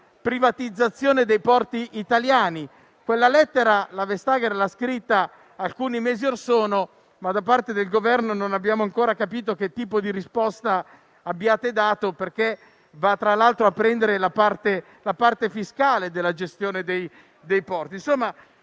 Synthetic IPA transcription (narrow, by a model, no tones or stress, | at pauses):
pɾivat̪id̪zːat̪sːjoːned̪ejpɔrt̪iʔːt̪aljaːni | kwelːalɛt̪ːeɾalavest̪aːɡeɾlaskɾit̪ːa | alkuːnimɛːziorsoːno | mad̪ap̬art̪ed̪elɡovɛrnononabːjaːmoaŋkoːɾakapiːt̪ok̟et̪ːiːpod̪iɾispɔst̪a | abːjaːt̪ed̪aːt̪operke | vat̪ːɾalalt̪ɾoapːɾɛnd̪eɾelapart̪e | lapart̪efiskaːled̪elːad͡ʒest̪joːned̪ej | d̪ejpɔrt̪insomːa